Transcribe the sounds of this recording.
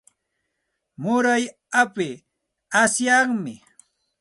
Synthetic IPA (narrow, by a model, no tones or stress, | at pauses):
mʊɾaj | apɪ | asjaŋmɪ̰